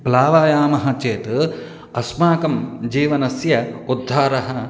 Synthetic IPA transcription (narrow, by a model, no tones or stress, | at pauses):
plaːʋaːjaːmɐɦɐt͡ʃeːt̪ | ɐsmaːkɐmd͡ʒiːʋɐnɐsjɐud̪ʱːaːɾɐɦɐ